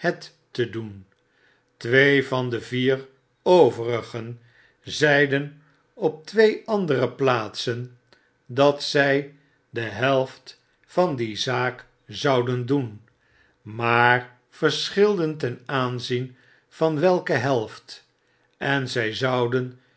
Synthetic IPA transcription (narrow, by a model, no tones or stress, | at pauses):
hɛtː | ədun | tʋejvɑndəviːr | owvərəχən | zɛjdən | ɔp̚tʋejʔɑndərəplaːtsən | dɑtsɛj | dəɦɛlˠft | fɑndizaːk | zɑwdəndun | maːɹ | fəɹsχɪlˠdəntɛnaːnzin | v̥ɑnʋɛlˠkəɦɛlˠft | ɛnzɛjzɑwdən